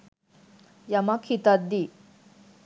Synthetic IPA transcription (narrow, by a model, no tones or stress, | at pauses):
jɐmakʰit̪ad̪ːi